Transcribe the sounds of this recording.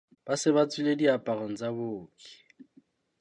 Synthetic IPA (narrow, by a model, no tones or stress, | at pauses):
b̥asɪbat͡sʼilediapʼarɔŋ̩d͡zaboːkʼi̥